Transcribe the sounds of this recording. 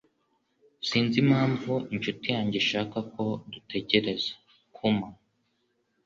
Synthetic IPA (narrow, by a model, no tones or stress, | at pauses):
siːnzimhaːɱvuiɲt͡ʃutijaːɲɟeʃaːkako̞dutʰe̞ɟe̞ɾe̞zḁ | kʰuma